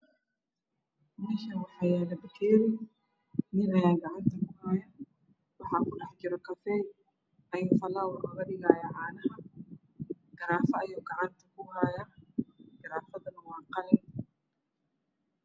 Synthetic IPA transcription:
mɪʃɐwɑħajaːlɐbɪkʰɛːɾɪ | mɪnɐjaːɡɑʕant̪ʰɐkʰʊhaːjɐ | wɑħɑːkʊɖɑħd͡ʒɪɾɔkʰɐfɛːj | ɐjuːfɐlaːwɐɐɣɐɗɪɣaːjɐʕaːnɐɦɐ | ɡ̥ɐɾaːfɐːjuːɡɑʕɑnt̪ʰɐkʰʊhaːjɐ | ɡ̥ɐɾaːfɐðɐnɐwɑːqɑlɪn

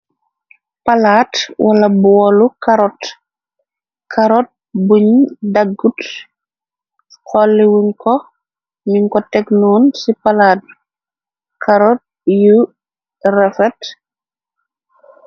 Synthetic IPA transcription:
pɐlaːtwʔɐlɐbuwɔlukaɾɔt | kʰɐɾɔt̚ | buɲdaɡut | kɔlːiwuŋkɔ | miŋkɔtɛknuːnsipalat̚ | kaɾɔt̚ju | ɾɛfɛt

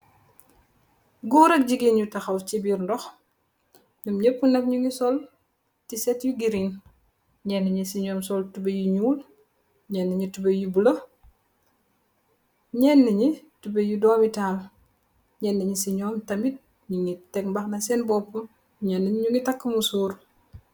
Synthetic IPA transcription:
ɡuːɾɐk̚ɟiɡeːnjutɐxɐwcibiɾndɔx | ɲɔmɲəpːunɐkɲuŋisɔl | tisɛtjuɡiɾin | ɲɛnːəɲisiɲɔːmsɔltubɐjuɲuːl | ɲɛnːəɲitubɐjubulɐ | ɲɛnːɐɲitubejudɔːmitaːl | ɲɛnːəɲisiɲɔːmtɐmit̚ | ɲuŋitɛk̚bɐxnɐsɛnbɔpːu | ɲɛnːəɲɲuŋitɐkːəmusuːɾ

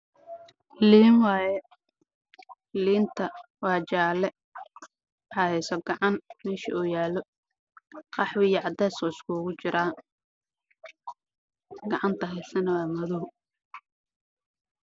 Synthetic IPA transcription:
liːnwɑːjɛ | liːnt̪ʰɐwɑːt͡ʃaːlɛ | wɑħɑhɛjsɔɡɑʕɑnmɛːʃḭuːjaːlɔ | qɑħwɪjɐʕɑd̪ɛːskɔːɪskʰuːɣʊt͡ʃɪɾaː | ɡɐʕɑnt̪ʰɐɦɛjsɐnɐwaːmɐðʊɦʊ

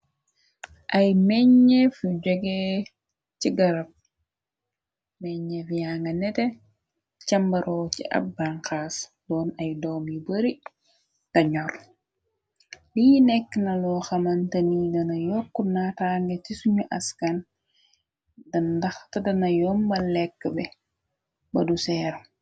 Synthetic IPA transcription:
ʔɐjmɛɲːefuɟoɡe | ciɡɐɾɐp̚ | mɛɲefjaŋɡɐnɛte | cɐmbɐɾʔɔːcḭʔɐ̰b̚baŋkaːs | lɔːnɐjdɔːmjibɐɾi | tɐɲɔl | lijinɛkːnɐlɔːxɐmɐntɐnidɐnɐjɔkːunataŋɡetisuɲuʔɐ̰skan | dɐndɐxtɐdɐnɐjɔːmbɐlɛkːəbɛ | bɐdusɛːɾ

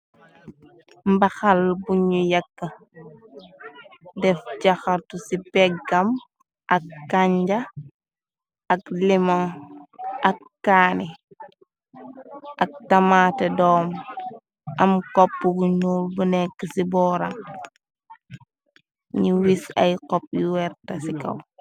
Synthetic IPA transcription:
mbɐxɐlbuɲujɐkːə | dɛfɟɐxɐɾtusibɛɡɐm | ʔɐkːaɲɟɐ | ɐklimɔŋ | ʔɐkːaːni | ʔɐk̚tɐmatɐdɔːm | ʔɐmkɔpːubuɲuːlbunɛkːəsibɔːɾaŋ | ɲiwisɐ̰jqɔp̚juwɛɾtɐsikɐ̰w

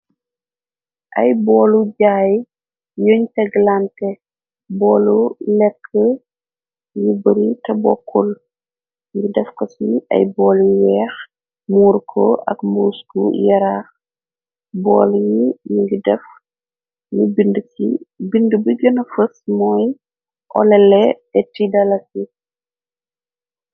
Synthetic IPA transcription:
ʔɐjbɔːluɟaːj | joːɲtɛɡlantɛ | bɔːlulɛkʰːə | jubɐɾitɐbɔ̰kʰːul | ŋɡidɛfkɔsiɐ̰jbɔːljiwɛːx | muːrkʰɔ̰ʔɐ̰kmbuːskṵjɐɾaːx | bɔ̰ːljijiŋɡidɛf | nibindsibindəbiɡənɐfəsmɔːj | ʔɔ̰lɛlɛ | ɛtidɐlɐsi

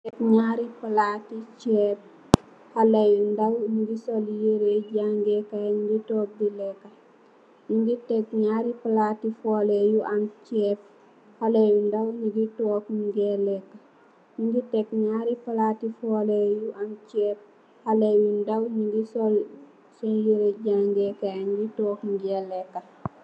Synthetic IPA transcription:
ɛkɲaːɾipalatit͡ʃɛːp̚ | halɐjundɐwɲiɡisoljeɾeɟaŋɡɛkaɲɡitɔːk̚dilɛkːɐ | ɲiɡitɛk̚ɲaːɾipalatːifɔːlejuʔant͡ʃɛːp̚ | halewindawniɡitɔːkmɡɛlɛkːɐ | ɲiŋɡitɛk̚ɲaːɾipalatifɔlejuʔant͡ʃɛp̚ | halejindawɲiŋɡisol | sɔnjiɾeɟaŋɡɛkajɲɡitɔkmɡɛlɛkːa

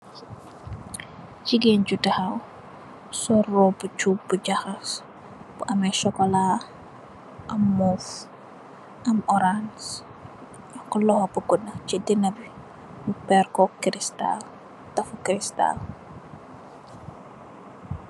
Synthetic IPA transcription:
ciɡɛnɟudɐhɐw | sɔrɔbut͡ʃubuɟaxɐs | b̥uʔɐmɛʃɔkɔla | ʔɐmːuf | ʔɐmɔɾans | jɔkɔlɔhobuɡunɐt͡ʃidinɐbi | mupɛrkɔkɾista̰l | tɐfukɾista̰l

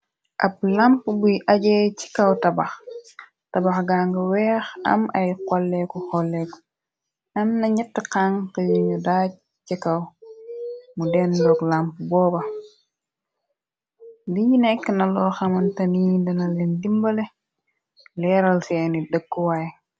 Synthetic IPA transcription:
ʔɐp̚lampbujʔɐɟɛci̥kɐwtɐbɐx | tɐbɐxɡaːŋɡɐwɛːxɐ̰mɐjkɔlːɛkuxɔlːɛku̥ | nɐnnɐɲɐtːəqaŋkəjiɲɐdaːɟ̚ | cikɐw | mudɛndɔɡlampbɔːbɐ | liɟinɛkːənɐlɔːxɐmɐntɐniːdɐnɐlɛndimbɐlɛ | lɛɾɐlsɛːnidəkːuwaj

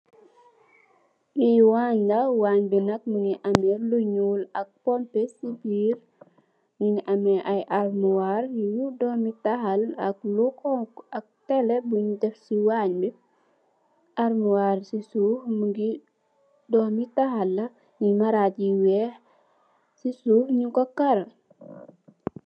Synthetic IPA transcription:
biwaːɲɡɐwaːɲbinɐk̚muŋiʔɐmɛluɲuːlɐk̚pɔmpesibiːr | ŋiniʔɐmɛʔɐjʔarmuwarjjudɔmitɐhɐlɐk̚lukɔŋkɐk̚tɛlɛbuɲidɛfsiwaɲbi | ʔaɾmuwarsisuːhmuɡi | dɔmitɐhɐlːɐ | ɲimɐɾaciwɛːh | sisuːfɲiŋkɔkɐɾɐ

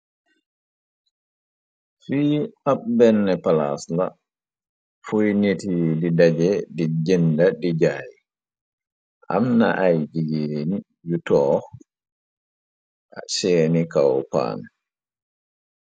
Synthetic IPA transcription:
fiːaɓbɛnːɛpalasla | fujnitididad͡ʒɛdid͡ʒɛndadid͡ʒaːji | ʔa̰mna̰ʔajd͡ʒiɡeni | jutɔ | ʔaseːnikawpa̰n

